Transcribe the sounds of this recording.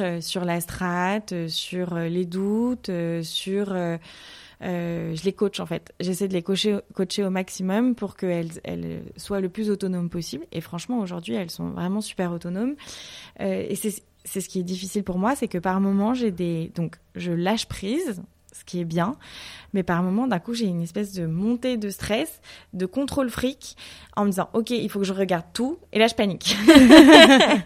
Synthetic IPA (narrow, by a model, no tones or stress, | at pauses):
øsyʁlast̪χat̪øsyʁøled̪ut̪øsyʁø | øʒəlekɔt͡ʃɑ̃fɛt̪ʒesɛjd̪əlekoʃekot͡ʃeomaksimɔmpuʁkəɛlɛ̰l̰swaləplyzot̪ɔnompɔsiblḛfχɑ̃ʃmɑ̃oʒuʁd̪ɥiɛlsɔ̰̃vʁɛmɑ̃sy̥pɛʁot̪ɔnom | øḛsɛ | sɛsə̥kʲiɛd̪ifisilpuʁmwasɛkəpaʁmɔmɑ̃ʒed̪ed̪ɔ̃k | ʒəlaʃpχiz | sə̥kʲiɛbjɛ̃mɛpaʁmɔmɑ̃d̪ɛ̃kuʒeynɛspɛs̬d̪əmɔ̃t̪ed̪əst̪χɛs | d̪əkɔ̃t̪χolfχikʲ | ɑ̃məd̪izɑ̃ʔɔkʲeilfokəʒəʁəɡaʁd̪̚t̪uelaʒəpanikʲ